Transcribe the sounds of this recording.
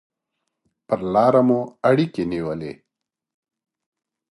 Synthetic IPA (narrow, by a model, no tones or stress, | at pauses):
pəɾlɑːɾamuaɽikeniwəlḛ